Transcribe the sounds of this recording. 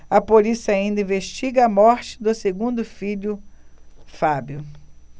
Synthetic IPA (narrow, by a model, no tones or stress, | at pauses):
ɐpolisiaĩnd̪ɐĩveʃt͡ʃiɡɐɐmɔɾt͡ʃɪ̥d̪ʊseɡũnd̪ʊfiʎʊ | fabjʊ